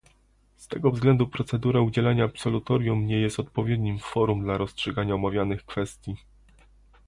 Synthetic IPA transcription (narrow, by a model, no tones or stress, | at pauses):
st̪ɛɡɔvzɡlɛnd̪upɾɔt̪sɛd̪uɾaud͡ʑɛlaɲaːpsɔlut̪ɔɾjumɲɛjɛst̪ɔt̪̚pɔvʲjed̪ɲimfɔɾumd̪laɾɔstʂɛɡaɲaɔmavʲjanɘxkfɛst̪ʲji